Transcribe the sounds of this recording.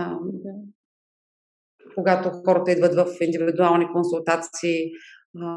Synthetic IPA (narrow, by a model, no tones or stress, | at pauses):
ad̪ | koɡat̪oxɔɾət̪əid̪vət̪vəfind̪ivvid̪ualˠnikonsulˠt̪at̪siː